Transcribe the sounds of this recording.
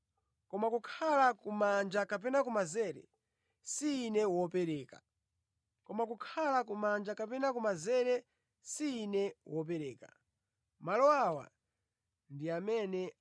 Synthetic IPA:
kɔmakukʰalakumand͡ʒakap̬ɛnakumazɛɾɛ̰ | siːnɛwɔpɛɾɛːkḁ | kɔmakukʰalakumand͡ʒakapɛnakumazɛɾɛ | siːnɛwɔp̬ɛɾɛːkḁ̰ | malɔawa̰ | ndiamɛnɛ

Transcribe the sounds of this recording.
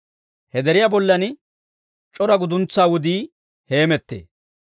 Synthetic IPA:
hɛd̪ɛɾɪjabɔlːɐn | t͡ʃʼɔɾɐɡʊd̪ʊnt͡sːaːwʊd̪iː | he̞ːmɛt̪ːḛː

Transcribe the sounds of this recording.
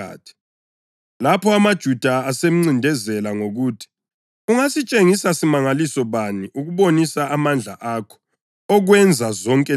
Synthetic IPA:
a̰ːtʰi̥ | lapʰɔamad̥ʒ̥ʱud̥ʱaːsem̩ŋ͡ǀindʱɛzɛlaŋoɣuːtʰi̥ | uŋasit͡ʃʼeŋisasimaŋalisɔβaniʔuɣuβonisaʔːmand͡ɮʱa̰ʔakʰɔ̥ | ɔɣwɛnd͡zʱazɔŋkʼɛ

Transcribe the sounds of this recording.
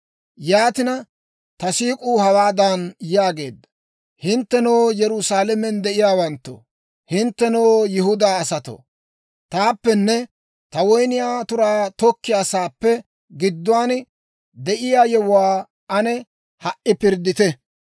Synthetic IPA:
jaːt̪ɪnɐ | t̪ɐsiːkʼuːhɐwaːd̪ɐnjaːɡe̞ːd̪ːɐ | hɪnt̪ːɛnoːjɛɾʊsaːlɛmɛnd̪ɛʔɪjaːwɐnt̪ːo̰ | hɪnt̪ːɛnoːjɪhʊd̪aːɐsɐt̪o̰ | t̪aːpːɛnːɛ | t̪ɐwɔjnɪjaːt̪ʊɾaːt̪ɔkːɪjaːsaːpːɛ | ɡɪd̪ːʊwaːn | d̪ɛʔɪjaːjɛwwaː | ɐnɛ | hɐʔɪpɪɾd̪ɪt̪ɛ

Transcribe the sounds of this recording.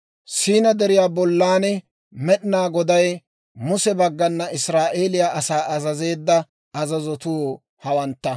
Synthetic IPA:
siːnɐd̪ɛɾɪjaːbɔlːaːnɛ | mɛɗɪnaːɡɔd̪ɐj | mʊsɛbɐɡːɐnːɐʔɪsɾaːʔe̞ːlɪjaːʔɐsaːʔɐzɐze̞ːd̪ːɐ | ɐzɐzɔt̪u | hɐwɐnt̪ːɐ

